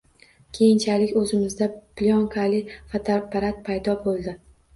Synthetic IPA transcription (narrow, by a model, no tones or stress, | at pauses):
kʲʰe̞jɪnt͡ʃʰalɪkʲɵzɪmɪzd̪apljɒŋkʰalɪvat̪ʰapaɾat̪̚pʰajd̪ɒbolˠd̪ɪ